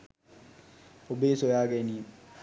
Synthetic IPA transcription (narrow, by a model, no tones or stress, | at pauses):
obeːsojaːɡeniː